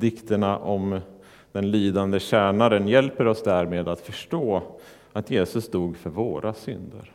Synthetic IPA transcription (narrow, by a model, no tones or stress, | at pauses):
d̪ɪkt̪əɳaʔɔm | d̪̥ɛnliːd̪and̪əɕæːɳaɾənjɛlpəɾɔsd̪æɾmeːd̪at̪fœʂʈoː | at̪jeːsɵsd̪uːɡfœɾvoːɾʔasʏnd̪ə̰ɾ